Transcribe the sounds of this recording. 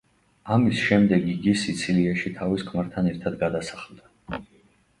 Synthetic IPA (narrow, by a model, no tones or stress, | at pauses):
amisʃɛmd̪ɛɡiɡisit̪sʰiliaʃit̪ʰaviskʰmaɾt̪ʰanɛɾt̪ʰad̪ɡad̪asḁχlˠd̪a